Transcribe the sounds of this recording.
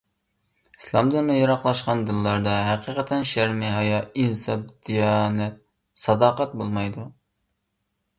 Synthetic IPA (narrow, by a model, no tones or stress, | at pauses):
i̥slˠɑmd̪ɨɾnɨjɑɾɑqlˠɑʃqɑnd̪ɨlˠːɑɾd̪ɑɦæqʰiqʰət̪ʰɛnʃæɾmɪɦɑjɑinsɑb̚d̪̥ijɑnɛt̪̚ | sɑd̪ɑːqæt̪̚bolˠmɑjd̪u